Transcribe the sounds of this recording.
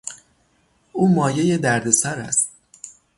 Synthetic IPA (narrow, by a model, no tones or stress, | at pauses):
ʔuːmɒːje̞je̞d̪æɾd̪e̞sæɾæ̰st̪̚